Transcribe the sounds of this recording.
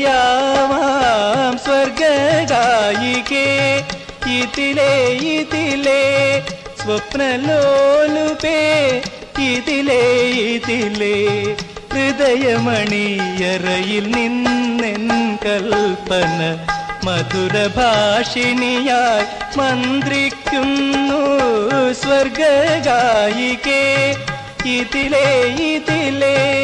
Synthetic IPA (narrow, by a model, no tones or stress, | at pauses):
jaʋamsʋɐɾɡɐdajike | it̪ilejit̪ile | sʋɐpnɐlolupe | it̪ilejit̪ile | ɾid̪ɐjɐmɐɳijɐɾɐjilninːenkɐlpɐnɐmɐd̪ʱuɾɐbʱaːʂinijaːjmand̪ɾikːunːu | sʋɐɾɡɐɡaːjike | it̪ilejit̪ile